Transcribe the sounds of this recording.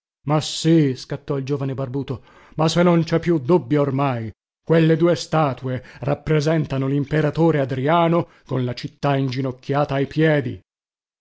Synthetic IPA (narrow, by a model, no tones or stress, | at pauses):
masiskat̪ːɔild͡ʒoːvanebarbuːt̪o | masenːont͡ʃɛpːjud̪ːubːjaormaj | kwelːed̪uːest̪aːt̪uerapːɾezɛnt̪anolimpeɾat̪oːɾead̪ɾiaːno | konlat͡ʃit̪ːaind͡ʒinokʰːjaːt̪aːjpjɛːd̪ḭ